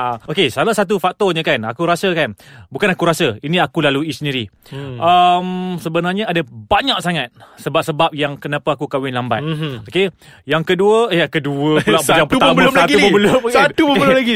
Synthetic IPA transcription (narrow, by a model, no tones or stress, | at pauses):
aokesalasat̪̬ufak̚t̪oɲəkana̰kuɾasəkanbukanakuɾasəinĩakulaluisəniɾi | ʔəmsəbənarɲaadabaɲak̚saŋat̪̚səbap̚səbap̚jaŋkənapaakukawɪnlamba̰t̪̚oke | jaŋkəduəjakəduəklabjaŋpət̪abəloatɡiubobəlomksat̪ubəbəlaɡi